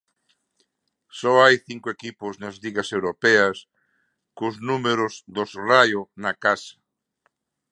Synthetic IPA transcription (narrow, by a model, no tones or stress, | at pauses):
sɔajθiŋkʊekipʊznɐzliɣɐsewɾopeɐs | kʊznumeɾʊzðosrajonakasɐ̥